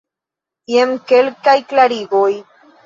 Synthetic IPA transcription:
ɛmkɛɭkɐjklɐɾiːɣoːj

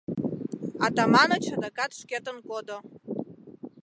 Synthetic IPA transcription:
atʰʼamanat͡ʃʰadakʼatʰʂkʲatʼɨnkʷʼodo

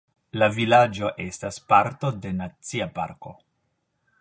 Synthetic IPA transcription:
lavilad͡ʒo̞ʔe̞staspaɾto̞de̞nat͡siapa̰ɾko̞

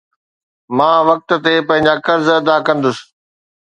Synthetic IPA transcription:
mãːʋɐk̚t̪̆t̪epɐ̃ɦɪ̃ɲ̆d͡ʑakɐɾzɐd̪akɐ̃nd̪ʊsɪ̥̆

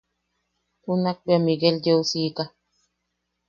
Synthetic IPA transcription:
kunak̚bjamiɡelɟewsiːka

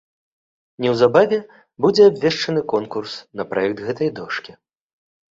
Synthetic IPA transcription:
nʲɛwzabavʲɛ | bud͡zʲɛabvʲɛʂt͡ʂɐn̪ɨkɔnkursnɐpɾajɛk̚t̪ɣɛt̪ɐjd̪ɔʂkʲi

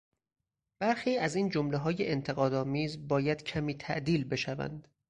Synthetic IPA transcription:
b̥æɾxiːæziːnd͡ʒomleɦɒːjeʔent̪ʰeɣɒːd̪ɒːmiːzbɒːjæd̪cʰæmiːt̪ʰæʔd̪iːlbe̞ʃævæ̰nd̪̥

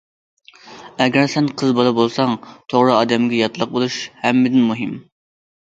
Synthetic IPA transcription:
ɛɡʲɛɾsɛnqʰəzbɑlˠɑbolˠsɑŋt̪ʰoʁɾɨɑːd̪ɛmɡʲɛjɑt̪ʰlˠəq̚bolˠuʃhɛmːɪd̪ɪnmuɦɪm

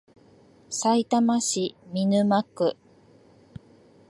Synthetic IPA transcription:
sait̪amaɕimʲinɯ̟makːɯ̟

